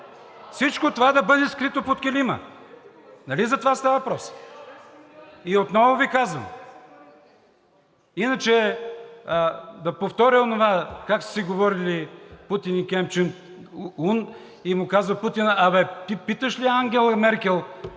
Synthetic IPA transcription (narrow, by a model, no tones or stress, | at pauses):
fsit͡ʃkot̪ovad̪ɐbɤd̪ɛskɾit̪opot̪̚kʲɛlimə̰ | nɐlizɐt̪ovast̪avɐvɐpɾɔs | iot̪nɔvovikazvəm | inət͡ʃɛ | əd̪ɐpoft̪ɔɾʲəonovakakssiɡovɔɾiliput̪inikʲɛmp̚t͡ʃɛn | un | imʊkazvɐput̪inɐvɛt̪ipit̪əʃliaŋɡʲɛlˠɐmɛɾkʲɛlˠ